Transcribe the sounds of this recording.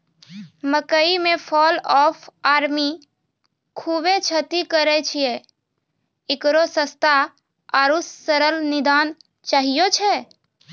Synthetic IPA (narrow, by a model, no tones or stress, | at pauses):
məkəimẽpʰɔlɔpʰaːɾmi | kʰubet͡ʃʰət̪ikəɾɛt͡ʃʰije | ɪkɾosə̃st̪ʰa | aɾusːəɾəlnɪd̪aːn | t͡ʃaːɦijot͡ʃʰɛ